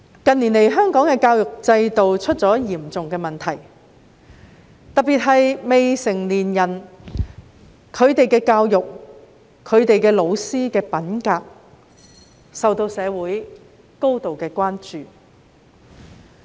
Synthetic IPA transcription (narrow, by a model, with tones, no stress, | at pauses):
kɐ˨nli˨˩nle˨˩jɦœː˥ŋkɔː˨˥ŋkɛː˧kaː˧wjʊ˨k̚t͡sɐ˧jt̪o˨wt͡ʃʰɵ˥t̚t͡sɔː˨˥jiː˨˩mt͡sʊ˨ŋkɛː˧mɐ˨nt̪ʰɐ˨˩j | t̪ɐ˨k̚piː˨t̚ɦɐ˨jme˨jsɪ˨˩ŋliː˨˩njɐ˨˩n | kʰɵ˨˧ɥt̪e˨jkɛː˧kaː˧wjʊ˨k̚ | kʰːɵ˨˧ɥt̪e˨jkɛː˧lo˨˧wsiː˥kɛː˧pɐ˨˥nkaː˧k̚ | sɐ˨wt̪o˧wsɛː˨˧wuː˨˥j | ko˥wt̪o˨wkɛː˧kʷwaː˥nt͡ʃyː˨